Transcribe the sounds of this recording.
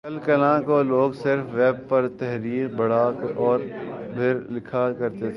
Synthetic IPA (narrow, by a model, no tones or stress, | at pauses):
ɐlkɐlãkoloːɡsɪɾfʋeːb̚pɐɾt̪ɛɦɾiːɾbɐɽ̤akɔːɾbʱɪɾlɪkʰakɐɾt̪et̪ʰ